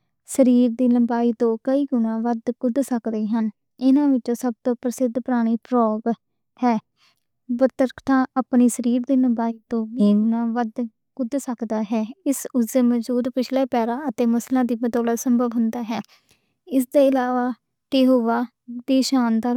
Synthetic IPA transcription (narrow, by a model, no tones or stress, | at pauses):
səɾiːɾd̪iːləmbaːiːt̪õːkəiːɡʊnãːʋəd̪kʊd̪səkd̪eːɦən | ɪnãːʋɪt͡ʃõːsəb̚t̪õːpɾəsɪd̪pəɾaːɽ̃iːpʰɾɔːɡ | hɛː | bət̪əɾkʰt̪ʰãːʔəpniːsəɾiːɾd̪iːləmbaːiːt̪õːiːɡʊnãːʋəd̪ | kʊd̪səkd̪aːɦɛːɪsʊzeːməd͡ʒuːd̪pɪt͡ʃʰlɛːpɛːɾãːət̪eːməslãːd̪iːbət̪ɔːlət̪səmbʱəʋɦʊnd̪aːɦɛː | ɪsd̪eːɪlaːʋaː | ʈeːɦoːʋaː | d̪eːʃaːnd̪aː